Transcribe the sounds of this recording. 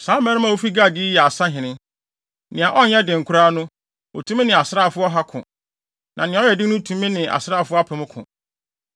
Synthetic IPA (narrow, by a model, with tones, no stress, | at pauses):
sãː˨˦mɛ̃˦nɪ̃˦mã˦˨wo˦fi˦ɡaː˦˨dɪ˦jɛ˨a˨sa˦ɦɪ̃˨nɪ̃˦ | nɪ̃˨a˨ʔɔ˦ɲɛ˦dɪ̃˨ŋ̩˨kʰʊ˦ɾaː˦nʊ̃˦ | o˨tʰũ˦mɪ̃˦nɪ̃˨a˨sɾaː˦˨fʊ˦ɔ˦ɦa˦kʰʊ̰̃˨ | nã˨nɪ̃˨˦ɔ˦jɛ˨dɪ˦nʊ̃˦tʰũ˦mɪ̃˦nɪ̃˨ʔa̰˨sɾaː˦˨fʊ˦a˦pʰɪ˨mʊ̃˦kʰʊ̰̃˨